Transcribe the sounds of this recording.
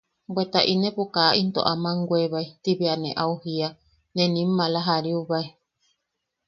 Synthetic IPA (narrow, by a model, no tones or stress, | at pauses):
bwet̪aʔinẽpukaint̪o̰ʔamãŋɡweβait̪iβeanẽʔauhia | nẽnĩmːãlaɦaɾiuβae